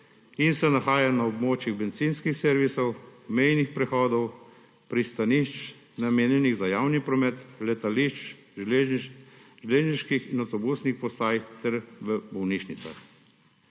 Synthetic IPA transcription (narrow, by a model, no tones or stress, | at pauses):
insɛnaxaːjanaɔbmoːt͡ʃjiɣbɛnt̪sinskixseːɾʋisɔwmɛjnixpɾɛxɔːd̪ɔw | pɾist̪aniʃt͡ʃ | nameːnjɛniɣzajaːwnipɾɔmɛt̪lɛt̪aliʃt͡ʃː | ʒleːʒniʃkixinawt̪ɔbusnixpɔst̪aːjt̪ɛɾʋəbɔwniʃnit̪sa̰x